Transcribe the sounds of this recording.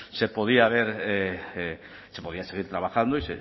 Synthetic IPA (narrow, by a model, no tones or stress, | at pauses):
sepoð̞iaβeɾee | sepo̞ð̞iaseɣ̞iɾt̪ɾaβaxand̪oisḛ